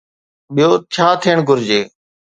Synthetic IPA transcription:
ɓɪjoːt͡ʃʰaːt̪ʰiːəɳɡʱʊɾd͡ʑeː

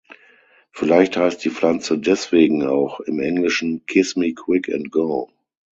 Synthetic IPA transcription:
fɪlaɪçthaɪst̚d̥iːflant͡sədɛsv̥eːɡŋ̩a̰ʊxɪmʔɛŋlɪʃn̩kʰɪsmikʰw̥ɪkʰɛ̰̃ntɡ̥oʊ

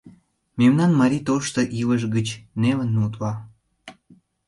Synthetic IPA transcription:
memnɑnmɑɾʲit̪oʃt̪oʔiləʃ̬ɡət͡ɕneβə̆nːut̪lɑ

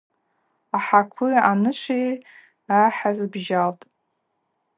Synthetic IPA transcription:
aħakʷʰuanɨʃʷej | aħazbʒaltʼ

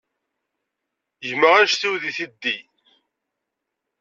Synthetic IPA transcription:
jməʁæʃθiwðiθid̪ːi

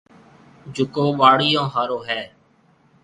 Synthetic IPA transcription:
d͡ʒʱʊkoːɓaːɽɪːjõːɦaːɾoːɦɛː

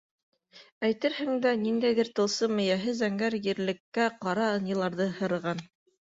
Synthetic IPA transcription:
æjt̪ɘɾhɘ̆ŋd̪æniŋd̪æjðɘɾt̪ɤ̆lˠsɤmɘ̆jæɦɘzæŋɡæɾjɘ̆ɾlɘ̆kːæqɑɾɑɤ̆nɤ̆lˠɑɾðɤhɤ̆ɾɤ̆ʁɑn

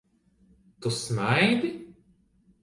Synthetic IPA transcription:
t̪usnajd̪i

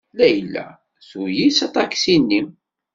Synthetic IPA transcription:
læjəlːæ̰ | sujisɑt̪ˤɑksinːim

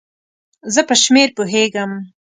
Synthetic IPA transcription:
zəpəʃmeɾpoɦeɡəm

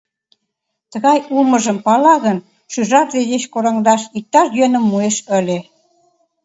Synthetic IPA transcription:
t̪ə̆ɣɑjuməʒə̆mpɑlɑɣən | ʃyʒɑt̪d̪ed̪eɕkoɾɑŋd̪ɑʃik̚t̪ɑʃjønə̆mːueʃə̆lʲe

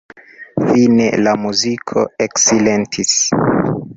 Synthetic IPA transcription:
finḛlamuzikʰo̞̰eksilentʰis

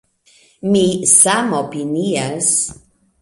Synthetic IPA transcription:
misamopinias

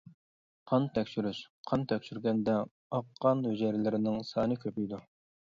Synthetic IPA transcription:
qʰɑnt̪ʰɛkʲʃyɾyʃqʰɑnt̪ʰɛkʲʃyɾɡʲɛnd̪ɛ | ɑqʰːɑnhød͡ʒɛɾlɪɾɪnɪŋsɑːnɨkʲʰøpijd̪u

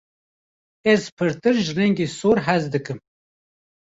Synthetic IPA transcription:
ɛzpʰɨɾt̪ɨɾʒɨrɛŋɡeːsoːɾɦɛzd̪ɨkɨm

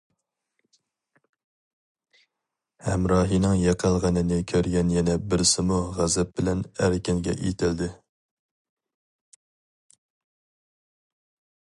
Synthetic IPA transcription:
hɛ̰mɾɑːɦinɨŋjɑqʰəlˠʁɑnɨnɪkʲʰøɾɡʲɛnjɛnɛbɪɾsɪmuʁæzɛp̚bɪlɛnæɾkʲɪnɡʲɛ̰ʔḭt̪ʰɪld̪ɪ

